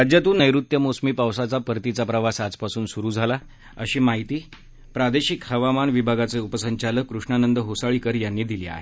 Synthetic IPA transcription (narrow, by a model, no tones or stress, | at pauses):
ɾad͡ʑjat̪uːnːəjɾut̪jəmosmiːpawsat͡sapəɾt̪it͡sapɾəʋasad͡zpasuːnsuɾuːd͡zʱala | əɕiːmaɦit̪iː | pɾad̪eɕikhəʋamanʋibʱaɡat͡seupəsəɲt͡ɕaləkːɾuʂɳanənd̪əɦosaɭikəɾjanːiːd̪ilḭa̰ɦe